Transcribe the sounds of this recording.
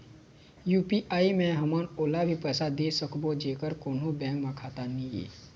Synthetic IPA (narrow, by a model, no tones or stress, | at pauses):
juːpiʔaːimẽɦəmənoːlabʱipɛːsad̪eːsəkbod͡ʒeːkəɾkoːnõbɛ̃ːkmẽkʰaːt̪anĩjḛː